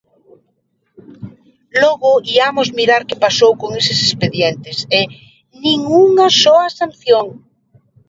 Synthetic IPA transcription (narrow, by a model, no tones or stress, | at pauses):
lɔɣʊiamozmiɾaɾkepasowkoŋesesespeðjent̪ese | nĩŋuŋasɔasanθjoŋ